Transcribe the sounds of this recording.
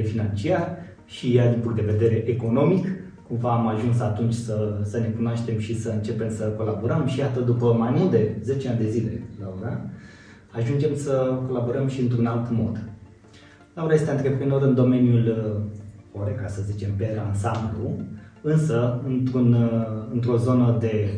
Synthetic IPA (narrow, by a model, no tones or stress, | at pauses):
finant͡ʃiar | ʃijad̪inpuŋkt̪d̪e̞ved̪e̞ɾe̞ʔeko̞no̞mik | kumvaːmaʒunsat̪unt͡ʃʲsəsəne̞kunoaʃt̪e̞mʃisəɨnt͡ʃe̞pe̞msəko̞laboɾəmʃijat̪əd̪upəmajmuld̪e̞ze̞t͡ʃeanʲd̪e̞zile̞̰lauɾa | aʒund͡ʒe̞msəko̞labo̞ɾəmʃiɨnt̪ɾunalt̪mo̞d̪ | lauɾaje̞st̪eɨnt̪ɾepɾino̞ɾɨnd̪o̞me̞njul | oɾekasəzit͡ʃe̞mpeansambluɨnsəɨnt̪ɾunɨnt̪ɾo̞zo̞nəd̪e̞